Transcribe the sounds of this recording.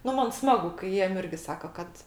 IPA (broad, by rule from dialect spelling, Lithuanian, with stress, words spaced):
ˈnʊ ˈmɐn ˈsmɑːɡʊ kɐɪ ˈjiɛm ˈɪrʲɡʲɪ ˈsɑːkɐ ˈkɐt